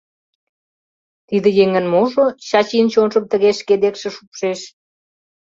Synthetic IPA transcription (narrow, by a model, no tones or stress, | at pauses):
t̪id̪ə̆jeŋə̆nmoʒoɕɑt͡ɕint͡ɕonʒə̆mt̪əɣeʃked̪ekʃĕʃupʃeʃ